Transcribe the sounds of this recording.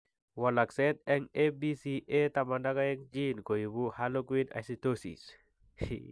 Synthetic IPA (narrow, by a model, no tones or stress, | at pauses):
wɔlaksɛt̪ɛŋebisiʔet̪amandakaɛŋd͡ʒinkojibuhalokwina̰sitosḭs